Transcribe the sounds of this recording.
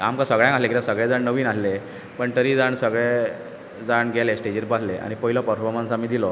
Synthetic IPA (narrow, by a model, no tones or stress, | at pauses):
amkasəɡɭjãŋkaslekit̪asəɡɭɛd͡zaɳnəʋiːnasle | pəɳt̪əɾiːd͡zaɳsəɡɭe | d͡zaɳɡʱɛlesʈed͡ʑiɾpaɦleʔa̰ɽ̃ipəɦilɔpəɾfɔɾmənsamːiːd̪ilɔ